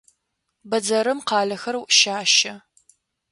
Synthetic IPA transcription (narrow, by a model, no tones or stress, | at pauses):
bɐd͡zɐɾɨmqɑːɮɐxɐrwʔʃaːʃɐ